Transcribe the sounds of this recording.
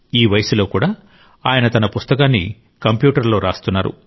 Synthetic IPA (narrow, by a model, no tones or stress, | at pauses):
iːʋɐjɐsulo̞ːkuːɽaː | aːjɐnɐt̪ɐnɐpust̪ɐkaːnːḭ | kɐmpjuːʈɐɾlo̞ːɾaːst̪unːaːɾṵ